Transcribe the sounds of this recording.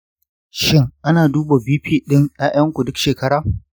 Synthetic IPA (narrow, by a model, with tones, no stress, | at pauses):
ʃɪ˦ŋʔa˦naː˨duː˦ba˨biː˦ɸiː˦ɗɪ˦ŋja˦ʔɐ˦ŋkʷu˨dʊ˦kʃeː˨kɐ˦ɽaː˨